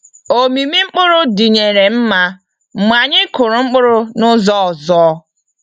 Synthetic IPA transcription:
o˨mi˨mi˦ŋ͡m̩˦k͡pʊ˦ɾʊ˦di˨ɲe˨ɾe˨m̩˦ma˦˨ | mʷa˨ɲɪ˦kʊ˨ɾʊ˨ŋ͡m̩˦k͡pʊ˦ɾʊ˦nʊ˦zɔ˦˨zɔ˦

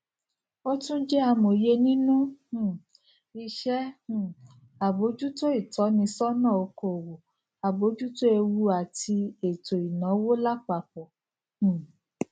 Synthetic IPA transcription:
o˦tũ˦d͡ʒɛ˦a˧mo˨je˧nĩ˦nũ˦hũ˦˨ | i˧ʃɛ˦ũ˨ | a˨bo˨˦d͡ʒu˦to˦i˦˨tɔ˨˦nĩ˧sɔ˦nã˦˨o˧ko˨wo˨ | a˨bo˨˦d͡ʒu˦to˦e˧wu˧˦a˨ti˧e˨to˨i˨nã˨˦wo˦la˦k͡pa˧k͡p̚ɔ˨ | h̩˨

